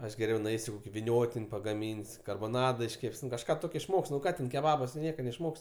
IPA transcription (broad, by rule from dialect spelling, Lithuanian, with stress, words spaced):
ˈɐʃ ɡʲɛˈrʲɛʊ nʊˈɛɪsʲʊ ˈkoːkʲɪ ʋʲɪˈnʲoːtʲɪnʲ pɐɡɐˈmʲiːnʲsʲ kɐrboːˈnɑːdɐ ɪʃʲˈkʲɛpʲsʲ nʊ kɐʃˈkɑː ɪʃˈmoːkʲsʲ nʊ ˈkɑː tʲɛn kʲɛˈbɑːbɐs tʊ ˈnʲiɛkɐ nʲɛɪʃˈmoːkʲsʲ